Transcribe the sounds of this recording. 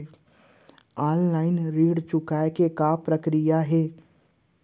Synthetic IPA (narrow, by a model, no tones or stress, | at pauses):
aːnlaːɪnɾiːɽt͡ʃʊkaekekapɾəkɾijaɦɛː